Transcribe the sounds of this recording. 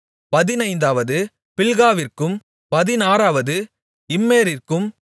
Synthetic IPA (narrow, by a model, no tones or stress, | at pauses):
pɐðɪnɐɪnd̪aːʋɐðɯ | pɪɭɣaːʋɪrkɯm | pɐðɪnaːɾaːʋɐðɯ | ɪmːeːɾɪrkɯm